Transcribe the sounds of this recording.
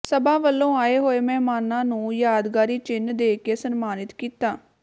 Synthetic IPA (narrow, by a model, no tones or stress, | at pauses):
səbãːʋəlːõːaːeːɦoːeːmɛ̃ːmaːnãːnũːjaːd̪ɡaːɾiːt͡ʃɪnd̪eːkeːsənmaːnɪt̪kiːt̪aː